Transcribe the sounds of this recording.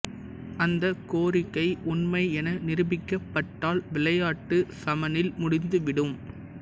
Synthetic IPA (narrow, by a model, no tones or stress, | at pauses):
ɐnd̪ɐkoːɾɪkːɐɪʔʊnmɐɪɛnɐnɪɾɯbɪkːɐpːɐʈːaːlʋɪɭɐjaːʈːɯsɐmɐnɪlmʊɽɪnd̪ɯʋɪɽɯm